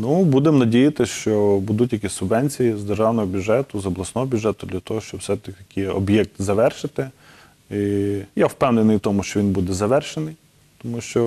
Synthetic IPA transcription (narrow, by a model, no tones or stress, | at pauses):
nubud̪emnɐdʲijɐt̪ɪʃt͡ʃɔbud̪ʊtʲjɐkʲisʲsʊbʋɛnʲt͡sʲijizd̪erʐawnɔɦɔbʲjʊʒɛt̪ʊzɔblˠɐsnɔɦɔbʲʊʒɛt̪ʊd̪lʲɐt̪ɔɦɔʃt͡ʃɔbwsɛt̪ɐɐkʰʲɪɔ̰bjɛk̚t̪zɐʋɛrʃɪt̪ɪ | ijawpɛwnenɪjt̪ɔmʊʃt͡ʃɔʋʲinbud̪ɛzɐʋɛrʃenɪj | t̪ɔmuʃt͡ʃɔ